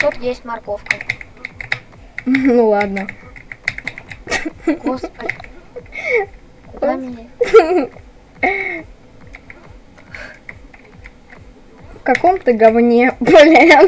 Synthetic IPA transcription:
t̪ut̪jesʲtʲmɐrkofkə | nulˠad̪nə | kos | d̪amʲnʲe | fkɐkomt̪ɨɡɐvnʲebɐlʲɛjə

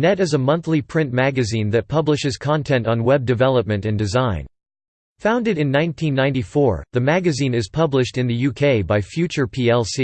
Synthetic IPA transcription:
nɛɾɨzəmʌ̃nθlipʰɹ̥ɪ̃nmæɡɨzĩnðɨt̚pʰʌblɨʃɨz̥kʰɑ̃ntʰɛ̃ntn̩wɛb̚dɨvɛlˠəp̚mɨ̃ntɨ̃ndɨzãɪ̃n | fãʊ̃ndɨɾɨ̃nːãɪ̃ntʰĩnːãɪ̃ntifɔɹðɨmæɡɨzĩnɨz̥pʰʌblɨʃtɨ̃nðɨjʉkʰeɪbaɪfjʉt͡ʃə˞pʰiɛlˠsi

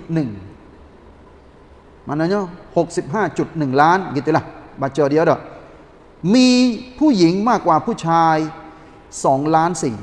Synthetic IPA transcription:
t̪̚nɯŋ | manɔːɲɔhok̚sip̚ɦaːt͡ɕut̪̚nɯŋlaːnit̪ːiːlabat̪̚t͡ɕɤːdiɐdɔ | miːpʰuːjiŋmaːkːwaːpʰuːt͡ɕʰaːj | sɔːŋlaːnsiː

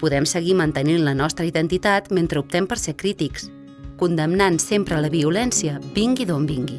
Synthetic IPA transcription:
puðɛmsəɣimənt̪əninlənɔst̪ɾəiðənt̪it̪at̪ment̪ɾəup̚t̪ɛmpəɾsekɾit̪iks | kund̪əmnansempɾələβiulɛnsiəbiŋɡiðombiŋɡi

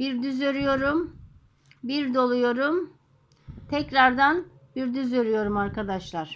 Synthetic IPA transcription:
biɾd̪yzøɾyjo̞ɾum | biɾd̪o̞lˠujo̞ɾum | t̪ʰɛcɾaɾd̪anbiɾd̪yzøɾyjo̞ɾumaɾkad̪aʃlˠaɾ̥

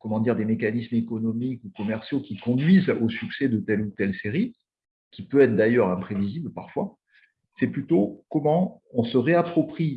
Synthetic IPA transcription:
kɔmɑ̃d̪iʁd̪emekanismekɔnɔmikukɔmɛʁsjokʲikɔ̃d̪ɥizosyksɛd̪ət̪ɛlut̪ɛlseʁi | kʲipøɛt̪χd̪ajœʁɛ̃pχeviziblpaʁfwa | sɛplyt̪okɔmɑ̃ | ɔ̃səʁeapχɔpχi

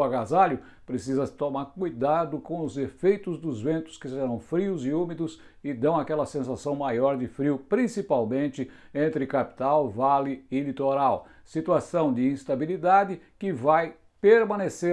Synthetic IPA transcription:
aɡazalʊ | pɾesizɐt̪omaɾkujd̪ad̪ʊkõw̃ʊzefejt̪ʊzd̪ʊzvẽnt̪ʊ̥skɪseɾɐ̃w̃fɾiʊzɪumɪd̪ʊs | ɪd̪ɐ̃w̃akɛlɐsẽsasɐ̃w̃majɔɾd̪ɪfɾiʊpɾĩsipawmẽnt͡ʃ̪ɪẽnt̪ɾɪkapi̥t̪awvalɪɪlit̪oɾaw | sit̪uasɐ̃w̃d͡ʒɪĩst̪abilid̪ad̪ɪ | kɪvaj | peɾmɐ̃nese

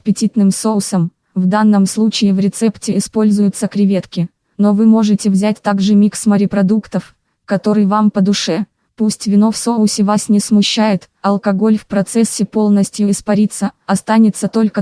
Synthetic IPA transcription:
pʲɪtʲit̪nɨmsoʊsəm | vd̪anːəmslˠut͡ɕɪːɪvɾʲɪt̪sɛptʲɪɪspo̞lʲzʊjʊt̪səkɾʲɪvʲe̞t̪kʲɪ | no̞vɨmo̞ʐɨtʲɪvzʲæt̚ʲt̪aɡʐɨmʲiksməɾʲɪpɾɐd̪ukt̪əf | kɐt̪o̞ɾɨjvampəd̪ʊʂɛ | pusʲtʲvʲɪno̞fsoʊsʲɪvasnʲɪsmʊɕːæjɪt̪ | ɐlˠkɐɡo̞lʲfpɾɐt̪sɛsʲːɪpo̞lˠnəsʲtʲjʊɪspɐɾʲit̪sːəɐst̪anʲɪt̪sːət̪o̞lʲkə

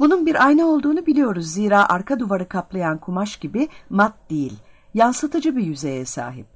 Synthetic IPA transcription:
bununbiɾʔajnɯo̞lˠd̪uːnubilʲijo̞ɾuzːiːɾaːʔaɾkʰad̪uvaɾɯkʰaplˠajankʰumaʃɟ̥ibɪmat̪̚d̪̥ejilʲ | jansɯt̪ʰɯd͡ʒɯbijyze̞jɛsa̰ːɦḭp̚

